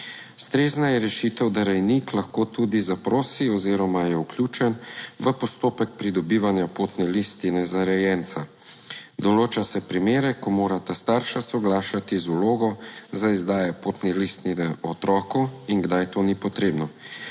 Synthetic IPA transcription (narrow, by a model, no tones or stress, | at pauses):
st̪ɾeːznajɛɾɛʃit̪ɛwd̪aɾɛjniklaxkoːt̪ud̪izapɾoːsiɔziːɾɔmajɛukljuːt͡ʃɛnʋəpɔst̪oːpɛk̚pɾid̪ɔbiːʋanjapoːt̪nɛlist̪inɛzaɾɛjɛnt̪sa | d̪ɔloːt͡ʃasɛpɾimeːɾɛkɔmoːɾat̪ast̪aːɾʃasɔɡlaːʃat̪izuloːɡɔzaizd̪aːjɛpoːt̪nilist̪ninɛɔt̪ɾɔːkɔiŋɡd̪ajt̪oːnipɔt̪ɾeːbnɔ